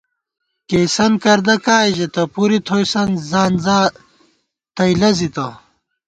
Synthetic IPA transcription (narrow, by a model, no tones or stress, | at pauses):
kejsɐnkɐɾd̪ɐkaːjʑet̪ɐpuɾit̪ʰojsɐnzaːnzaː | t̪ɐjlɐzit̪ɐ